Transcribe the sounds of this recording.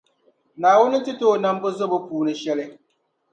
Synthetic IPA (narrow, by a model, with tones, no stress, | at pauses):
naː˨wʊ˦nɪ˦tɨ˦toː˦˨na˦m˦bʊ˦zo˦bʊ˨puː˨nɨ˦ʃɛ˦lɪ˦